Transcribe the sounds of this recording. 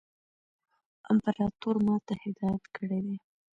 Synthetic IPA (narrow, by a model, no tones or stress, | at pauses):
ɪmpaɾɑt̪oɾmɑt̪ahɪd̪ɑjat̪kəɽed̪e